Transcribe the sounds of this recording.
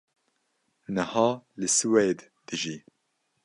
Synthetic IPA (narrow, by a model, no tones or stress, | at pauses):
nəhɑːlɨsɨweːd̪ | d̪̥ɨʒiː